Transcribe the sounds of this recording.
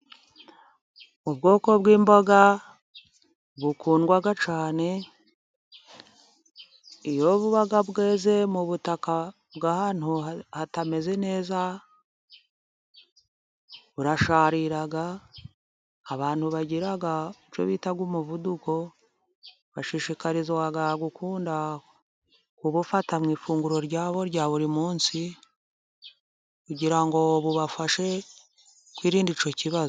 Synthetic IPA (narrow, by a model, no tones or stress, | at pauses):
uβɡo̞ːko̞βɡiːmbaɡa | βukʰuːnɡwaɡat͡ʃaːne̞ | ijo̞βuβaɡaβɡe̞ːze̞muβutaka | bɡahaːn̥huhatame̞ze̞ne̞ːza | βuɾaʃaːɾiɾaɡa | βaːnthuβaɟiɾaɡait͡ʃo̰βiːtaɡwuːmuvuduko̞ | βaʃiʃikaɾizwaɡaɡukuːnda | kuβufatamŋiːfuːŋɡuɾo̞ɾɟaːβo̞ɾɟaːβuɾimuːnsi | kuɟiɾaŋɡo̞βuβafaʃe̞ | kwiːɾiːndit͡ʃociβaz